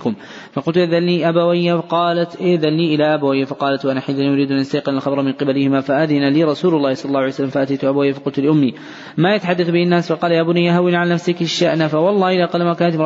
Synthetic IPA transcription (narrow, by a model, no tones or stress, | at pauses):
kʊm | fɑqʊlt̪ʊðalːiʔabawɪjːaqɑːlat̪ʔɪʔðalːiːʔɪlaʔabawɪjːafɑqɑːlat̪wʔanaħaðanijʊɾiːd̪ʔanʔast̪ajqɪnalxɑbɾˤɑmɪnqɨbalɪhɪmaːfaʔaðɪnaliːɾˤɑsuːlʊlˤːɑːhsˤɑlːɑlˤːɑːhwʕaijsalːamfaʔat̪ajt̪ʊʔabawɪjːafɑqʊlt̪ʊlɪʔʊmːi | majat̪aħad̪ːaθbɪhanːaːsfɑqɑːlajaːbʊnajaɦawɪnʕalanafsɪkɪʃaʔnafawɑlˤːɑːhɪlaːqɑːlmakaːnat̪